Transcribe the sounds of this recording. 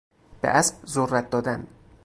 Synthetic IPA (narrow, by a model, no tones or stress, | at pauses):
b̥ḛʔæsbzorːæt̪̚d̪ɒːd̪æn